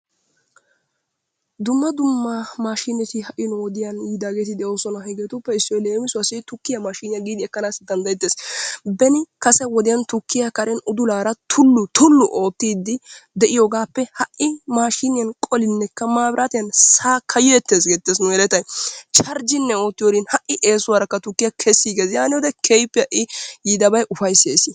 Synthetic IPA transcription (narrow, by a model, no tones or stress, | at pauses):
d̪ʊmːɐd̪ʊmːɐmaːʃɪnɛt̪ɪhɐʔɪnwɔd̪ɪjɐniːd̪aːɡet̪ɪd̪ɛʔosɔnɐhɛɡet̪ʊpːɛɪsːɔɔleːmɪsʊɐsɪt̪ʊkːɪjɐmaːʃɪnɪjɐɡiːd̪ɪɛkːɐnaːsɪd̪ɐnd̪ɐjɛt̪ːeːsbɛnɪkɐsɛwɔd̪ɪjɐnt̪ʊkːɪjakɐɾʔɛnʊd̪ʊlaːɾɐt̪ʰʊlːʊt̪ʊlːʊʔo̞ːt̪ːiːd̪ːɪd̪ɛʔɪjoːɡaːpːɛhɐʔɪmaːʃɪnɪjɐnkʼɔlɪnːɛkːɐmaːbɪɾʔaːt̪ɪjɐnsaːkʰɐjɔɛt̪ːeːs̬ɡeːt̪ːeːsnʊɛlɛt̪ɐjt͡ʃɐɾd͡ʒɪnːɛo̞ːt̪ːɪjoːd̪ɪnhɐʔɪʔe̞ːsʊwaːɾɐkːɐt̪ʊkːɪjɐkʰɛsːiːɡesjaːnɪjod̪ɛkʰɛjpːɪjɐʔɪjiːd̪ɐbɐjʔʊfɐjseːsɪ